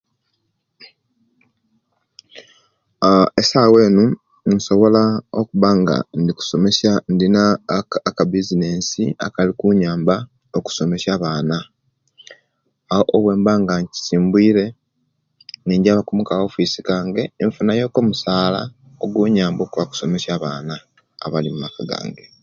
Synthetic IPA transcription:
esaːwe̞ːnu | nso̞βo̞laokuβaŋɡa̰ndiku̥so̞me̞sandinaːkabizine̞ːnsia̰kalikuɲaːmba | oku̥so̞me̞sjaːβaːna | ahoʔːβwe̞ːmbaːŋɡaɲci̥siːmbwiːɾe̞ | niːɲɟaːβakumukao̞fiːsi̥kaːŋɡe̞ːɱfunajo̞ːko̞ːmusaːla̰ | oɡwuɲaːmbo̞ːkuβaku̥so̞me̞saːβaːna̰ː | βalimumakaɡa̰ːŋɡe

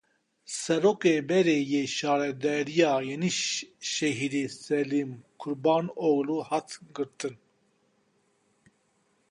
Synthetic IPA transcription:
sɛɾoːkebɛɾeːjeːʃɑːɾɛd̪ɛɾijɑːjeniʃʃɛɦiɾesɛlimkʰuɾbɑːnoɡluhat̪ʰɡɨɾt̪ʰɨn

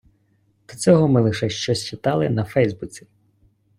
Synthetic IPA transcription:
d̪̥ɔt͡sʲɔɦɔmɪlˠɪʃɛʃt͡ʃɔsʲt͡ʃɪt̪ɑlˠɪ̰nɐfɛjzbut͡sʲi

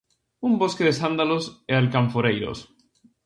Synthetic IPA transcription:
umboskeðesand̪alosealkaɱfoɾejɾo̰s

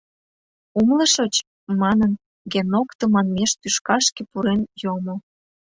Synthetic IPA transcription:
umlə̆ʃɤt͡ɕ | mɑnən | ɡenokt̪ə̆mɑnmeʃt̪yʃkɑʃkepuɾenjomo

